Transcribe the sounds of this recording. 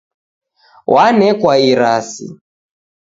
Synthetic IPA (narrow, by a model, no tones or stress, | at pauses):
wʔanɛkwaiɾasḭ